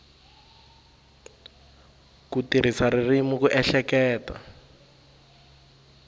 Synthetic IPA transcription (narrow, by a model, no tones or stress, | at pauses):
kutiɾ̤isaririmukuʔɛɬɛkɛːta̰